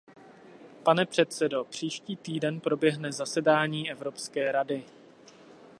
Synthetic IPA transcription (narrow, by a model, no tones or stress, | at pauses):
panɛpr̝̥ɛt̪sɛdo̞pr̝̥iːʃciːt̪iːdɛnpɾo̞bjɛɦnɛzasɛdaːɲiːʔɛvɾo̞pskɛːɾadɪ